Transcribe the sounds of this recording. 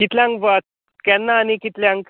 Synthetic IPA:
kit̪ljãŋkʋa | kɛnːaːnikit̪ljãŋk

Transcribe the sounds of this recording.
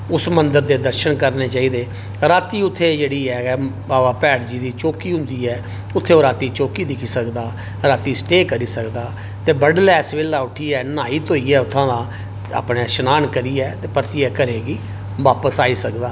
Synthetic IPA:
ʊsmənd̪əɾd̪eːd̪əɾʃənkəɾneːt͡ʃaːiːd̪eː | ɾaːt̪iːʊt̪ʰːeːd͡ʒeːɽiːɛːbaːʋaːpɛːɽd͡ʒiːd̪iːt͡ʃoːkiːɦʊ̃nd̪iːɛː | ʊt̪ʰːeːoːɾaːt̪iːt͡ʃoːkiːd̪ɪkʰiːsəkd̪aː | ɾaːt̪iːsʈeːkəɾiːsəkd̪aː | t̪eːbəɖlɛːsʋeːlːaːʊʈʰiːɛːnaːiːt̪oːiːɛːʊt̪ʰːãːd̪ãː | a̰ːpneːʃənaːnkəɾiːɛːt̪eːpəɾt̪iɛːkəɾeːɡiː | ʋaːpəsaːiːsəkd̪aː

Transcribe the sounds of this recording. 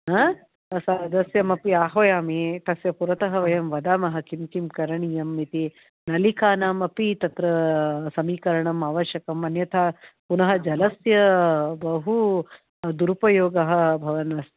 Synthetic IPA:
ɦɐ | ɐsaːd̪ɐsjɐmɐpiaːɦʋɐjaːmit̪ɐsjɐpuɾɐt̪ɐɦɐʋɐjɐmʋɐd̪aːmɐɦɐ̆kimkimkɐɾɐɳijɐmːit̪i | nɐlikaːnaːmɐpit̪ɐt̪ɾɐsɐmiːkɐɾɐɳɐmaːʋɐʃjɐkɐmɐnjɐt̪ʰaːpunɐɦɐ̆d͡ʒɐlɐsjɐbɐɦu | d̪uɾupɐjoːɡɐɦɐ̆bʱɐʋɐnɐs

